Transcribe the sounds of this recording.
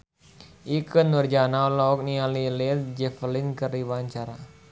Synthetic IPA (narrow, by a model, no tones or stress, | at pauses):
ikənurd͡ʒanawlɔɔk̚nialilesd͡ʒɛfəlinkəriwaɲt͡ʃaɾa